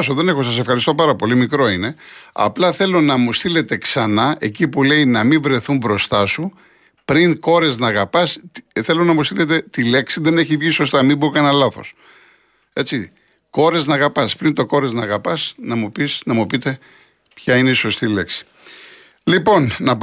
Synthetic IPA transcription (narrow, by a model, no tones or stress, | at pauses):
soðe̞ne̞xosɐse̞fxɐɾist̪opɐɾɐpo̞limikɾo̞ine̞ɐ̰plɐθe̞lo̞nɐmust̪ile̞t̪e̞ksɐnɐʔe̞cipule̞inɐmiɱvɾe̞θumbɾo̞st̪ɐsu | pɾiŋko̞ɾeznɐːɣɐpɐsθe̞lonɐmust̪ile̞t̪e̞t̪ile̞ksiðe̞ne̞çivʝiso̞st̪ɐmibokɐnɐlɐθo̞̰s | e̞t͡si | ko̞ɾeznɐːɣɐpɐspɾint̪o̞ko̞ɾeznɐːɣɐpɐsnɐmupisnɐmupit̪e̞ | pçɐine̞iso̞st̪ile̞ksi̥ | lipo̞nːɐp